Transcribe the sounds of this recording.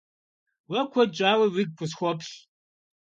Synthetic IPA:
wɐkʷʰɔd͡ʒʼaːwiwiɡ̚kʷʰʊsxʷɔpʰɬ

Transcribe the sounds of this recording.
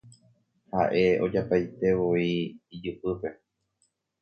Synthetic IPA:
haʔe̞o̞d͡ʒapajt̪e̞ʋoiːd͡ʒupɨpe̞

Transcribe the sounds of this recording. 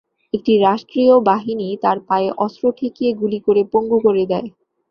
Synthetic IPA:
ek̚ʈiɾaʃʈɾiobaɦinit̪aɾpaeʔɔsɾoʈʰekieɡulikoɾepoŋɡukoɾed̪ɛe

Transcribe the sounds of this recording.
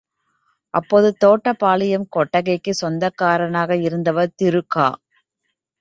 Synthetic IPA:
ʔɐpːoːðɯt̪oːʈːɐpaːlɪjɐmkɔʈːɐɣɐɪkːɯsɔnd̪ɐkːaːɾɐnaːɣɐɪɾɯnd̪ɐʋɐɾt̪ɪɾɯkːa̰ː

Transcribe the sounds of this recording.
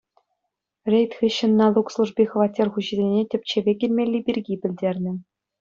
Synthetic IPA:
rʲejt̪ʲxɯɕːɤ̆nːɑlˠukslˠuʐbʲixɤ̆ʋɑtʲːerχuʑɘ̆zʲenʲetʲɘ̆p̚ʲt͡ɕeʋʲeɡʲɘ̆lʲmʲelʲːibʲirʲɡʲipʲɘ̆lʲdʲerʲnʲɘ̆

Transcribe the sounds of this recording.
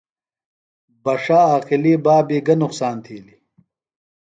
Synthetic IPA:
bɐʂaːaːqiliːbaːbiːɡɐnʊqsaːnt̪ʰiːli

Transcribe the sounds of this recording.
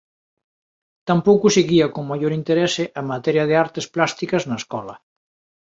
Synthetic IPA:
t̪ampowkʊseɣiɐkoŋmajoɾint̪eɾɛsɪʔamat̪ɛɾjɐðeaɾt̪esplast̪ikɐznɐeskɔlɐ̰

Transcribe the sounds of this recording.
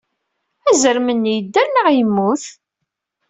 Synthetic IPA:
æzəɾmənːjəd̪ːæɾnəʁjəmːuθ

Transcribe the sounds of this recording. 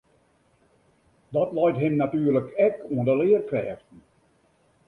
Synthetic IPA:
dɔtlɔjtɦɪmnatyːrləkɛkuəndəlɪərkrɛːxtn̩

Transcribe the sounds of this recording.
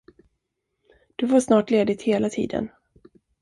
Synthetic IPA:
d̪̥ɵvaʂnɑːʈleːd̪ɪt̪heːlat̪ʰḭːd̪ə̰n

